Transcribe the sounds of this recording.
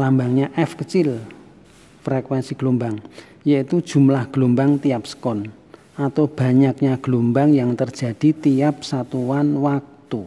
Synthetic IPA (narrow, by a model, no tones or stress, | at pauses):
lambaŋɲaʔɛfkət͡ʃɪl | fɾɛkwɛnsiɡ̥lombaŋ | jait̪ud̥ʒ̥ṳmlahɡ̥lumbaŋt̪ijapsə̥kɔn | ʔat̪ob̥a̤ɲak̚ɲaɡ̥lombaŋjaŋt̪ərd̥ʒ̥a̤d̥i̤t̪iap̚sat̪uwanwak̚t̪u